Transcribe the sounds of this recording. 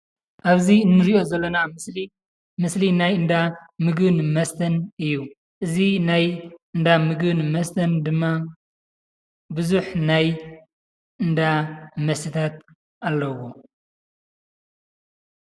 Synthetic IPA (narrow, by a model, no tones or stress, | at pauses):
ʔaβziɨnːɨɾiʔo̞zɐlːɐnamsi | mɨslinajɨnd̪amɨɡbɨnmɐst̪ʰɐnɨjːu | ʔɨzinajɨnd̪amɨɡbɨnmɐst̪ʰɐnd̪ɨmːa | bɨzuħnaj | ʔɨnd̪amɐsit̪ʰat̪̚ | ʔalːɐwo